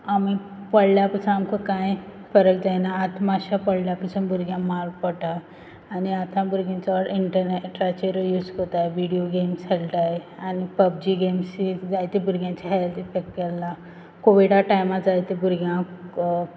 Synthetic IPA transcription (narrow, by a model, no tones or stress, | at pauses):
ami | pəɽljapəsãnamkʰəkãj | fəɾək̚d͡ʑajnaːt̪ʰmaɕapəɽljapəsənbuɾɡjãmalpəʈaː | niat̪ʰãbuɾɡãt͡ɕaʋəɾʔiɳʈəɾneʈɾat͡ɕeɾjud͡zkot̪aeʋiɽijoɡemsɛlʈajeanipəb̚d͡ʑiɡemsid͡zajt̪ebuɾɡjãt͡ɕaɦeld̪ifek̚ʈ̚kɛlːa | koʋiɽaʈajmad͡zajt̪ebuɾɡjã